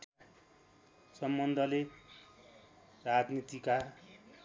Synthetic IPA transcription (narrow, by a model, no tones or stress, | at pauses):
sʌmbʌnd̪ʱʌle | rad͡znit̪ika